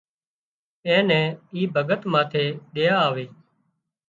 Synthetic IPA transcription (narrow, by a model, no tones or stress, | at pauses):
ɛ̃ːnɛ̃ːiːbʱəɡət̪mãːt̪ʰeːɗ̪eːjaːʋeː